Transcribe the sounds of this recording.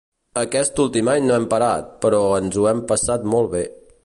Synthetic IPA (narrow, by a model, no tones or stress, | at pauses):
əkɛst̪ulˠt̪imaɲnoɛmpəɾa̰t̪̚pəɾɔənzuɛmpəsat̪mɔlˠβe